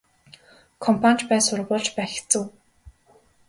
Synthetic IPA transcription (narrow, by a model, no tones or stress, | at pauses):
kʰɔmpʰanʲt͡ɕpæːsʊɾ̆pʊːɮt͡ɕpæːx̆ʰt͡sɘ̆w